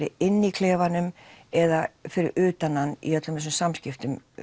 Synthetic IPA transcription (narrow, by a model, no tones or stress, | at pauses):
ɾɪ̰ɪnːikʰlɛːvanʏmɛðafɪɾɪ̰ɾʔʏːt̪ananːḭœt̪lʏmθɛs̬ʏmsamscɪft̪ʏm